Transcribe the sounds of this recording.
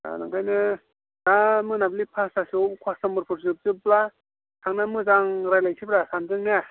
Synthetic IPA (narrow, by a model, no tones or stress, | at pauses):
a̰na̰ŋkʰajnɯ | namɯnablipʰasasiobkʰwasamɯɾpʰɯɾzɯp̚zɯpla | sʰaŋnamɯzaŋɾajlajsʰibɾasanzɯŋna